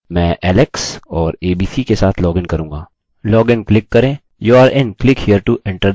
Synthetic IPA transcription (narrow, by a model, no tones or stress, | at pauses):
mɛ̃ːʔɛːlɛksɔːɾeːbiːsikesaːt̪ʰlɔːɡɪnkɐɾũːŋɡaː | lɔːɡɪnklɪkːɐɾẽː | juːaːɾɪ̃nklɪkhiːəɾʈuʔɪ̃ɳʈə